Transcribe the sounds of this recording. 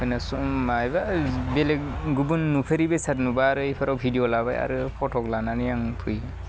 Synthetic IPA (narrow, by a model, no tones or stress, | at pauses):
kʰɔjnasɔmajbabelekɡubunːupʰeɾibesatnubaːɾɯepʰaɾawbʰʱidijɔlaba̰ja̰ɾɯpʰɔtʰɔklananijaŋpʰɯj